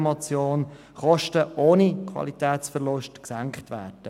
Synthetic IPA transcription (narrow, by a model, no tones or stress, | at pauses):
mɔt͡sjoːn | χɔʃtəʔoːnikʰʋɑ̰litɛːtt͡sfərlʊʃtksæŋkχtʋæːrd̥ə